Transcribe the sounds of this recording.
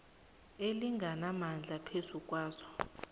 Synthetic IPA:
eliŋɡʱanamand͡ɮʱapʰesukʼwaːzɔ̥

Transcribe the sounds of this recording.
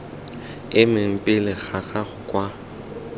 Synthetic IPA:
ɪmɪm̩pʼɪlɪɣaɣaχʊkʼwa

